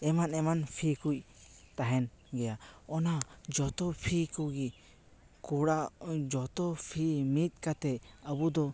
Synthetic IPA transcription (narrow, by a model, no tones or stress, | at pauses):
ɛmanɛmanpʰikuc | t̪aɦɛn | ɡɛjaɔnad͡ʒɔt̪ɔpʰikuɡi | kuɽad͡ʒɔt̪ɔpʰimit̪̚ˀkat̪ɛəbud̪ɔ